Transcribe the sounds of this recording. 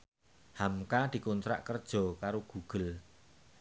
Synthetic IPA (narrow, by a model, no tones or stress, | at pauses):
hamkad̪̥i̤kunt̪ɾa̰ʔkərd̥ʒ̥ɔ̤kaɾoɡ̥ṳɡ̥ə̤l